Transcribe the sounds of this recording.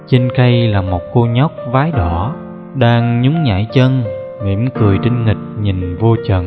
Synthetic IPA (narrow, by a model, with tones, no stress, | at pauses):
t͡ɕe˧nka˧jlaː˨˩mo˨˩t̚ko˧ɲɔ˦˥wk͡p̚vaː˨˦jɗɔ˧˩ | ɗaː˧ŋɲʊ˨˦ŋ͡mɲa̰ː˧˩jt͡ɕə˧n | ŋḭ˧˩əmkɨ˨˩əjt͡ɕi˧ŋŋï˨˩k̟̚ɲi˨˩nvo˧t͡ɕə̰˨˩˨n